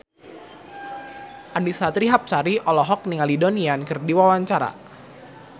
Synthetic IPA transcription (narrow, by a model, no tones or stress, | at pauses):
ʔanisat̪ɾiɦap̚saɾiʔɔlɔɦɔk̚niŋalidoniankɨrdiwawaɲt͡ʃaɾa̰